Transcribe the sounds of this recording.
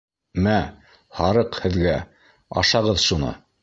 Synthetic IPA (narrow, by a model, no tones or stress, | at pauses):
mæ | hɑɾɤqhɘ̆ðɡæ | ɑ̰ʃɑʁɤðʃunɤ̰